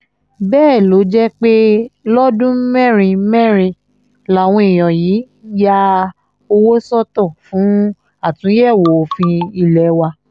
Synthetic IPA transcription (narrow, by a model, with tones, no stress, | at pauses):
bɛː˦˨lo˨˦d͡ʒɛ˦k͡pe˦lɔ˦dũ˦mɛ̃˦˨ɾ̃ĩ˧mɛ̃˦˨ɾ̃ĩ˧ | la˨w̃ɔ̃˧i˨j̃ɔ̃˨jiː˨˦ | ja˧ | o˧wo˦sɔ˦tɔ˦˨fũ˨˦ | a˦˨tũ˨˦jɛ˦˨wo˨˧fĩ˧i˧lɛ˨˦wa˧